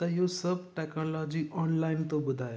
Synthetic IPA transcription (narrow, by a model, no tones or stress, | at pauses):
t̪əjosəb̚ʈɛknɔlɔd͡ʑiːʔɔnlaint̪obəd̪ʱaj